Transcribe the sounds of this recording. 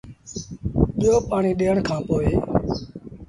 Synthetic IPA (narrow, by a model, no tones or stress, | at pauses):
ɓjoːpaːɳiːɗeːəɳkʰãːpoːeː